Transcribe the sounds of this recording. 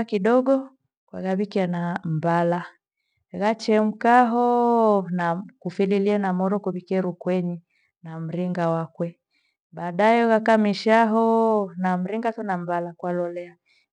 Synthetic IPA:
akiɗɔɡɔ | kwa̰ɣaβikianam̩bala | ɣat͡ʃɛm̩kaɦɔnakufililianamɔɾɔkɔβikɛɾukwɛɲi | nam̩ɾiŋɡawakwɛ | baːɗaɛɔɣakamiʃaɦɔnam̩ɾiŋɡasɔnam̩balakwalɔlɛa

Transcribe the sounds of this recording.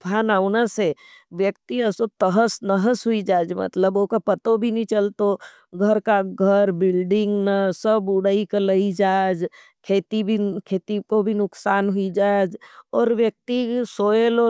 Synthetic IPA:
pʰaːnaːwnase | ʋjəkt̪iəsot̪əɦəsnəɦəsɦuid͡ʒaːd͡ʒmɐ̰t̪ləbokapət̪obʱinĩt͡ʃəlt̪o | ɡʱəɾkaɡʱəɾbɪlɖɪ̃ŋɡnasəbʊɽaikələid͡ʒaːd͡ʒ | kʰeːt̪ibʱikʰeːt̪ikobʱinʊksaːnɦʊid͡ʒaːd͡ʒɔːɾʋjək̚t̪isoːjelo

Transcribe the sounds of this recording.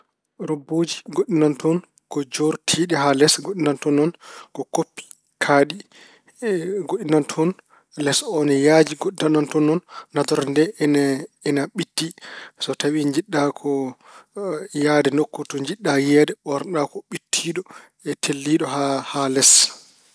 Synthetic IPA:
ɾobːoːd͡ʒiɡoɗinantɔn | kɔd͡ʒɔɾtʰiːɗɛɦalɛsɡoɗːinantɔnɔnkɔkopːi̥ | kʰaɗi | ɡoɗinantʰɔn | lɛsɔnɛjaːd͡ʒiɡoɗinanantɔnɔnːad̪ɔɾndɛnɛnaɓitːisɔtawiɲd͡ʒiɗːakʰɔ | jadɛnokːɔtɔɲd͡ʒiɗːajɛdɛɓɔɾɗakɔɓitʰːiːɗɔ | ɛtʰelːiɗɔhahalɛs

